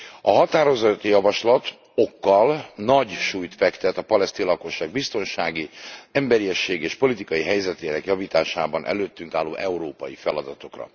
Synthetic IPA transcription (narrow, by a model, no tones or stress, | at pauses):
ɒɦɒt̪aːɾo̞zɒt̪ːijɒvɒʃlɒt̪ | o̞kːɒlnɒɟʃuːjt̪fɛkt̪ɛt̪ɒpɒlɛst̪iːnlɒko̞ʃːaːɡ̚bist̪o̞nʃaːɡiɛmbɛɾiɛʃːeːɡeːʃpo̞lit̪ikɒjiɦɛjzɛt̪eːnɛkjɒviːt̪aːʃaːbɒnʔɛ̰løːt̪ːyŋkaːlːoːʔɛuɾoːpɒjifɛlɒd̪ɒt̪o̞krɒ̰